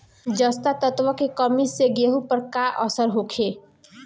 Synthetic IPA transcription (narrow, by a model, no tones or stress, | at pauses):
d͡ʒəst̪at̪ət̪ʋəkekəmiseɡeɦupəɾkaʔəsəɾɦokʰe